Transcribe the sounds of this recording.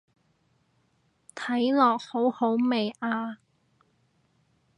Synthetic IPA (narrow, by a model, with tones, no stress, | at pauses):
t̪ʰɐ˨˥jlɔː˨k̚ho˨˥who˨˥wme˨jaː˧